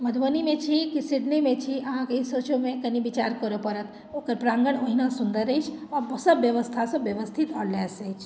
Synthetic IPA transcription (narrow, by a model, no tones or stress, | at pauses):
məd̪ʱʋənimẽt͡ʃʰikisiɖnimẽt͡ʃʰiəɦãkisət͡ʃomẽkənibit͡ʃaɾkəɾopəɾət̪ | oːkəɾpɾãːŋɡəɳoɦinasund̪əɾəjt͡ʃʰɔɾsəbjəʋəst̪ʰasə̃bjəʋəst̪ʰit̪ɔɽlesəjt͡ʃʰ